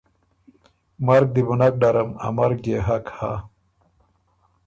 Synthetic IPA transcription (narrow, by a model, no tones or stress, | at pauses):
mɐɾk̚d̪ibunɐk̚ɖɐɾɐmɐ̰mɐɾk̚d͡ʑeɦɐkha̰